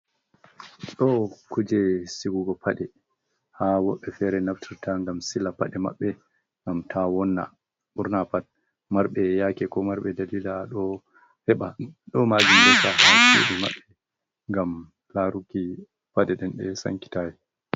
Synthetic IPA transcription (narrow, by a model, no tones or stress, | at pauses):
ɗɔkud͡ʒɛsiɡuɡɔpʰaɗɛ | hawɔɓːɛfɛɾɛnaftʰiɾtʰaŋɡamsilapaɗɛma̰ɓːɛ | ŋɡamtʰawɔnːa̰ | ɓuɾnapat̚ | maɾɓɛjakɛkɔmaɾɓɛdalilaːɗɔ | hɛɓaɗɔmad͡ʒimdɛsahasḭɗuma̰ɓːɛ | ŋɡam | laɾuki | padɛɗɛnɗɛsa̰ŋki̥tajɛ